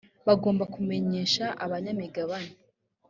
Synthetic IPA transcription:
βaɡo̞ːmbakume̞ɲe̞ːʃaʔaβaɲamiɡaβane

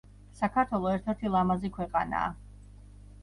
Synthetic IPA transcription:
sakʰaɾt̪ʰwɛlˠɔɛɾt̪ʰɛɾt̪ʰilˠamazikʰwɛqʼana̰ː

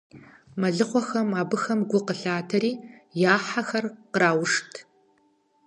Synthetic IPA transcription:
mɐɮɨχʷɔxɐmaːbɨxɐmɡʷʊqəɬaːtʰɐɾiːjaːħaxɐrqəɾaːwʊʂtʰ

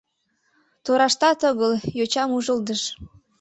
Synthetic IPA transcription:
t̪oɾɑʃt̪ɑt̪ɤɣəljot͡ɕɑmuʒəld̪əʃ

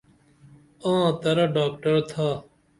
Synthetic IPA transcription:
ãːt̪ɐɾɖaːkʈəɾt̪ʰaː

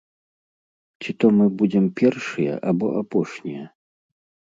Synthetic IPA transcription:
t͡sʲit̪ɔmɨbud͡zʲɛmpʲɛrʂɨjɐ̰ʔabɔʔapɔʂnʲijɐ

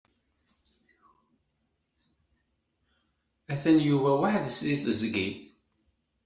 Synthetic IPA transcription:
æθænjuvæwaħðəsliθəzɡin

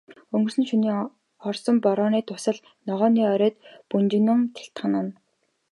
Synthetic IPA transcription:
ɵŋɡɵ̆rsɘ̆nʃuniː | χɔrsɞ̆mpɔɾɔːniːt̪ʰʊsə̆ɮ | nɔʁɔːniːœɾœːt̪punt͡ɕɪ̆nɘ̆ŋt̪ʰe̥ɬt̪χə̆nə̆n

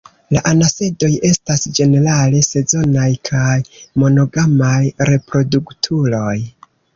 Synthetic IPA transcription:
laʔanase̞do̞je̞stasd͡ʒe̞ne̞ɾale̞se̞zo̞najkʰajmo̞no̞ɡamajɾe̞pɾo̞duktʰulo̞j

